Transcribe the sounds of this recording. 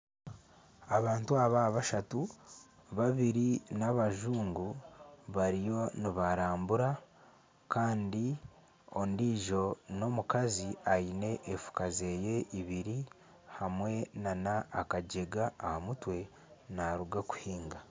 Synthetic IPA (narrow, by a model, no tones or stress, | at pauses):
aβaːntuaβaːβaʃatu | βaβiɾinaβaʒuːŋɡuβaɾijo̞niβaɾaːmbuɾa | kaːndi | o̞ndiʒo̞no̞mukaziajine̞ʔefu̥kaze̞je̞ʔiβiɾi | hamwe̞nanaːkaɟeɡaːhamutwe̞ | naɾuɡaku̥hiːŋɡa